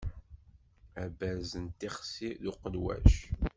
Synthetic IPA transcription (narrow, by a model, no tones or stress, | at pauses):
æbæzənt̪ːiχsiðuqəlwæ̰ʃ